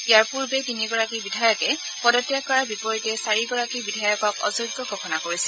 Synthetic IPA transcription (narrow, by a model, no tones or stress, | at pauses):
ijaɹpuɹbɛtiniɡɔɹakibidʱajɔkɛ | pɔdɔtːjakːɔɹaɹbipɔɹitɛsaɹiɡɔɹakibidʱajɔkɔkɔ̰zojɡːɔɡʱɔkʰɔnakoɹisɛ